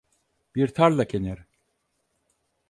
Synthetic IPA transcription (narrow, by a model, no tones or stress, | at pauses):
b̥iɾt̪ʰaɾlˠacʰenɛɾ